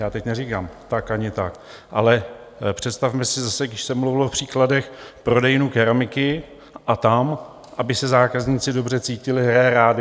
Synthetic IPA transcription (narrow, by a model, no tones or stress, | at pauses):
jaːt̪ɛcnɛrikamt̪akaɲɪt̪ak | ʔalɛ | pr̝̥ɛt̪st̪afmɛsɪzasɛɡdɪʃsɛmluvɪlofpr̝̥iːkladɛxpɾo̞dɛjnukɛɾamɪkɪ | ʔat̪am | ʔabɪsɛzaːkazɲiːt͡sɪdo̞br̝ɛt͡siːcɪlɪɦɾɛːɾaːdɪ